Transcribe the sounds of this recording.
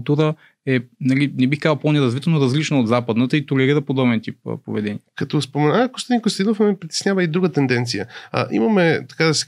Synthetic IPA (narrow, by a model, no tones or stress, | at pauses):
t̪uɾə | ɛnɐlinɛbixkazˠponɛɾɐzvit̪ɛnoɾɐzlit͡ʃnood̪zapəd̪nət̪əit̪olɛɾiɾəpod̪ɔbɛnt̪ipːpo̰vɛd̪ɛniəkɐt̪ɔspomɛnaɡost̪ɛd̪inkost̪inofɛmɛpɾit̪ɛ̥snʲavəid̪ɾuɡət̪ɛnd̪ɛnt̪sijə̰ʔḭmɐmɛt̪ɐ̥kad̪ɐsɛ̥